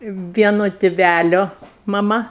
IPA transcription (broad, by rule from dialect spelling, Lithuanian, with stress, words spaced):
ˈʋʲiɛnoː tʲɪˈʋʲælʲoː mɐˈmɐ